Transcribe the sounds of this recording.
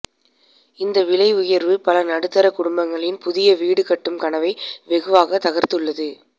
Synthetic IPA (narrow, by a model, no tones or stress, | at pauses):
ɪnd̪ɐʋɪɭɐɪʊjɐɾʋɯpɐlɐnɐɽɯt̪ːɐɾɐkʊɽʊmbɐŋɡɐɭɪnpʊðɪjɐʋiːɽɯkɐʈːɯmkɐɳɐʋɐɪʋɛɣɯʋaːɣɐt̪ːɐɣɐɾt̪ɯɭːɐðɯ